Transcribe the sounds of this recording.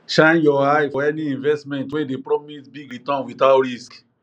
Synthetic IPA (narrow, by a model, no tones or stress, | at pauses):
ʃãnjɔajfɔɛniĩnvɛstmɛ̃ntwɛ̃depɾɔmisbiɡɹitɔ̃nwiθaɾisk